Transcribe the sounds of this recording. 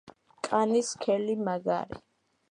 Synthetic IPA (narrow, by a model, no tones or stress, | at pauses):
kʼaniskʰɛlimaɡa̰ɾḭ